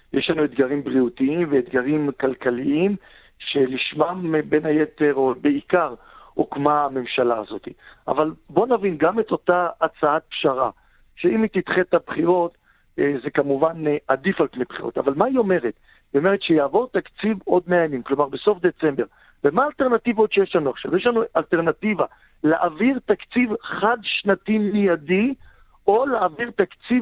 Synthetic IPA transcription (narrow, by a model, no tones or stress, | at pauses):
jeʃlanued̪ɡaʁimbʁiut̪iimveed̪ɡaʁimkalkaliim | ʃe̞liʃmambe̞nhajet̪e̞ʁobeikaʁ | okmaːme̞mʃalaːzo̞t̪ia̰valbo̞navinɡame̞t̪o̞t̪aːt͡saat̪̚pʃaʁa̰ | ʃeimit̪it̪χet̪abχiʁo̞t̪ | zekamuvaneʔad̪ifalpnejbχiʁo̰t̪a̰valmaio̞me̞ʁet̪ | io̞me̞ʁet̪ʃejaːvo̞ʁt̪akt͡sivo̞d̪meajamimklo̞maʁbeso̞fd̪e̞t͡se̞mbe̞ʁ | vemaːlt̪eʁnat̪ivaotʃejeʃlanuaχʃa̰vjeʃlanualt̪eʁnat̪iva | leʔaviʁt̪akt͡sivχad̪ʃnat̪imijadi | o̞laːviʁt̪akt͡siv